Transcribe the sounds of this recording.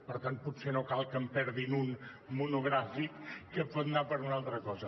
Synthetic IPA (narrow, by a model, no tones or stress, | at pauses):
pəɾt̪an̚put̪senokalˠkəmpɛɾðinun | munuɣɾafikːəpɔt̪napəɾunalˠt̪ɾəkɔzə